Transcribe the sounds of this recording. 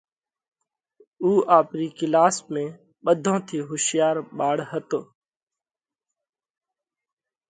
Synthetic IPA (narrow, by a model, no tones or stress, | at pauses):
uːʔaːpɾiːkɪlaːsmẽː | ɓəd̪ʱõːt̪ʰiːɦʊʃɪjaːɾɓaːɽhət̪oː